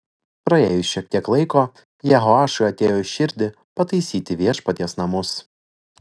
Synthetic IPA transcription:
pɾɐḛːjʊsʲʃʲiɛk̚t̪ʲiɛklˠɐɪkoː | jɛɦoɑːʃʊɪɐt̪ʲeːjoːɪʃʲɪɾʲd̪ʲɪ | pɐt̪ɐɪsʲiːt̪ʲɪʋʲiɛʃpɐt̪ʲiɛsnɐmʊs

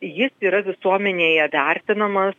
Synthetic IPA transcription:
jɪsiːɾɐʋʲɪsuɔmʲɛnʲeːjɛʋʲærʲt̪ʲɪnɐmɐs

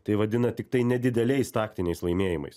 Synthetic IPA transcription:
t̪ɐɪʋɐd̪ʲɪnɐt̪ʲɪk̚t̪ɐɪnʲɛd̪ʲɪd̪ʲɛlʲɛɪst̪ɑːkt̪ʲɪnʲɛɪslˠɐɪmʲeːjɪmɐ̰ɪs

